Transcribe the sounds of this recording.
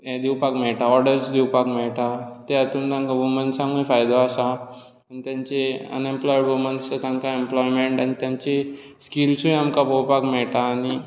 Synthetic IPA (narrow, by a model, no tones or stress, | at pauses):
ed̪iwpakmɛʈaɔɾɖəɾt͡ɕd̪iwpakmɛʈat̪eat̪und̪ãŋkaʋumənsãŋɡəjfajd̪oasa | anit̪jãɲt͡ɕeə̰nemplɔjiɽʋumənsət̪ãŋkaemplɔjmẽɳʈanit̪jãɲt͡ɕe | skilsũjamkapowpakmɛʈaːni